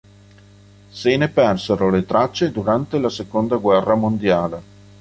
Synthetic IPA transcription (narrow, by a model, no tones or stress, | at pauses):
seːnepɛrseɾolet̪ɾat͡ʃːed̪uɾant̪elasekond̪aɡwɛrːamond̪jaːle